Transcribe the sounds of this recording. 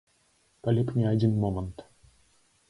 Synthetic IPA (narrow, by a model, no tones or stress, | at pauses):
palʲipnʲiadʲinmomənt̪